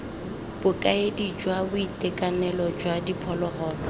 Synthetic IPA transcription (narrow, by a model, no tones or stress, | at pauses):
b̥ʊkʼaedid͡ʒwabʊitɛkʼanɛlɔd͡ʒwadipʰɔlɔɣɔːlɔ